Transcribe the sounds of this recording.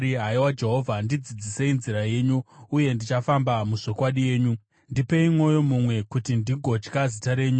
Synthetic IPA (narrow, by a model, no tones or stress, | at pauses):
iɦaiwad͡ʒe̞ɦo̞vʱandid͡zid͡zise̞inziɾaje̞ːɲuuje̞ndit͡ʃafambamuʂo̞kwaɗije̞ːɲu | ndipe̞imwo̞jo̞mumwe̞kutindiɡʱo̞t͡ʃkazitaɾe̞ːɲu